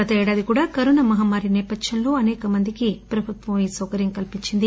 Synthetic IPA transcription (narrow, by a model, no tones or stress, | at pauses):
ɐt̪ɐɛːɽaːd̪ikuːɽaːkɐɾunɐmɐɦaːmaːɾinɛːpɐd̪ʃɐnlo̞ːɐnɛːkɐmɐnd̪ikipɾɐbʱut̪ʋɐmiːsɐwkɐɾjɐŋkɐlpiɲt͡ʃind̪i